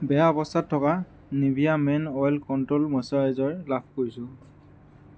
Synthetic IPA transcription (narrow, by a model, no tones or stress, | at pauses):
bɛjaɔbɔstʰatʰːɔka | nibijamɛnɔjlkɔntolmɔsɔɛzɔɹlab̚ʱkoɹisʊ̃